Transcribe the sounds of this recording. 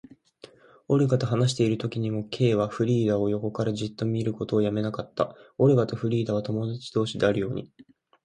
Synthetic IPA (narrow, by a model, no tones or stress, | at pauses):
o̞ɾɯ̟ɡat̪o̞ɦanaɕ̬i̥t̪e̞iɾɯ̟t̪o̞kʲiɲ̟imo̞kʰe̞ːβ̞aɸɯ̟ɾʲiːd̪ao̞jo̞ko̞kaɾaʑit̪ːo̞mʲiːɾɯ̟ko̞t̪o̞ːjame̞nakat̪ːa̰o̞ɾeɡat̪o̞ɸɯ̟ɾʲiːd̪aβ̞at̪o̞mo̞d̪at͡ɕi̥d̪o̞ːɕid̪e̞aɾɯ̟jo̞ːɲ̟i